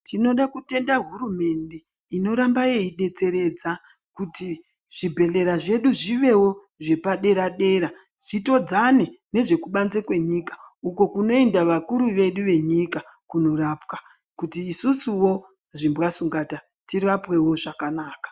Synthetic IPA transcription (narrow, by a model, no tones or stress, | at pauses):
tino̞ɗakute̞ndaɦuɾume̞nde̞ | ino̞ɾambaje̞iɗe̞t͡se̞ɾe̞d͡za | kuti | ʐ̥ibʱe̞le̞ɾaʐe̞ɗuʐiʋe̞wo̞ | ʐe̞paɗe̞ɾaɗe̞ɾa | ʐ̥ito̞d͡zane̞ne̞ʐe̞kuɓanzekwe̞ɲikḁuko̞kuno̞endaʋakuɾuʋe̞ɗuʋe̞ɲikakuno̞ɾapwa | kutiːsusuwo̞ | ʐimbwasuŋɡata | tirapwe̞wo̞ʐakanaːkḁ